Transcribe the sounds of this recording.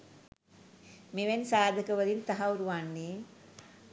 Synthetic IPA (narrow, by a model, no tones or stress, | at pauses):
meʋensaːd̪ʱəkəʋəɾint̪aɦauɾuʋanːiː